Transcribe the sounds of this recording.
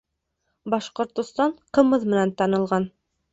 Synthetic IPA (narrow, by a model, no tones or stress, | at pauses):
bɑʃqŏɾt̪ŏst̪ɑɴqɤ̆mɤðmɘ̆nænt̪ɑnɤ̆lˠʁɑn